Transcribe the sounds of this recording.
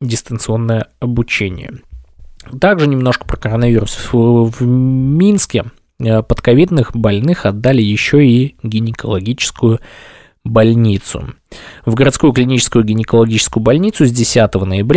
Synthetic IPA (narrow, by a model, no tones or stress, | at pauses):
dʲɪst̪ənt̪sɨo̞nːəjəɐbʊt͡ɕenʲɪ̰jə̰ | t̪aɡʐɨnʲɪmno̞ʂkə̥pɾəkəɾənɐvʲiɾʊsvmʲinskʲɪ | pət̪kɐvʲid̪nɨxbɐlʲnɨxɐd̪ːalʲɪjɪɕːoiɡʲɪnʲɪkəlˠɐɡʲit͡ɕɪ̥skʊjʊ | bɐlʲnʲit̪sʊ̰ | vɡəɾɐt̪skujʊklʲɪnʲit͡ɕɪ̥skʊjʊɡʲɪnʲɪkəlˠɐɡʲit͡ɕɪ̥skʊjʊbɐlʲnʲit̪sʊzʲdʲɪsʲat̪əvənəjɪbɾʲ